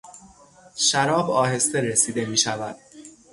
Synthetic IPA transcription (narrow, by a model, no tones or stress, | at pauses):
ʃæɾɒːbɒːɦe̞st̪e̞ɾesiːd̪e̞miːʃævæd̪̥